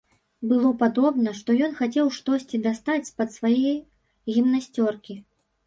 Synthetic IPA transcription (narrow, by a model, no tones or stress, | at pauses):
bɨlˠɔpad̪ɔbnɐʂt̪ɔjɔn̪xat͡sʲɛwʂt̪ɔsʲt͡sʲid̪ast̪at͡sʲspɐt̪svajɛj | ɣʲimnasʲt͡sʲɔrkʲi